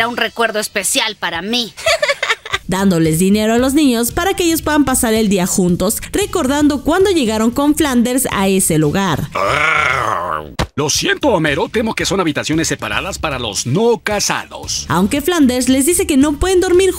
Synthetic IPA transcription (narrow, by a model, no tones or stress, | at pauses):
aunrekwe̞ɾðoespe̞sjalpaɾami | d̪and̪o̞le̞zðine̞ɾoalo̞znĩɲo̞spaɾakeeʝospwe̞ðampasaɾe̞ld̪iaxunt̪o̞sre̞ko̞ɾðand̪o̞kwand̪o̞ʝe̞ɣaɾo̞ŋko̞ɱfland̪e̞ɾsa̰e̞se̞luɣaɾa | losje̞nt̪oameɾo̞t̪e̞moke̞so̞naβit̪asjo̞nesːepaɾa̰ðaspaɾalo̞̰znokasa̰ðo̰sawŋke̞fland̪e̞ɾsle̞zðise̞ke̞no̞pwe̞ðe̞nd̪o̞ɾmiɾ